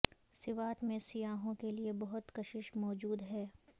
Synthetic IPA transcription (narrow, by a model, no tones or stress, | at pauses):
sɪʋaːt̪mẽsijaːɦõkeliebɐɦʊt̪kɐʃɪʃmɔːd͡ʒuːd̪ɦɛː